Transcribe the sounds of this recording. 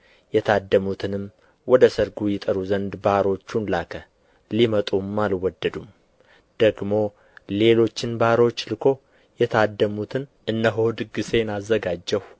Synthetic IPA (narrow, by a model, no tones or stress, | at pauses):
jɛt̪ʰad̪ːəmut̪ʰɨnɨm | wɔd̪əsəɾɡujɪt̪ʼəɾuzənd̪baɾo̞t͡ʃːunlakʰə | limət̪ʼumːalwɔd̪ːəd̪um | d̪̥əɡmo̞ | le̞lo̞t͡ʃːɪnbaɾo̞t͡ʃːlɨkʰo̞ | jɛt̪ʰad̪ːəmut̪ʰɨnʔɨnːəɦod̪ɨɡɨse̞nazːəɡad͡ʒːɛw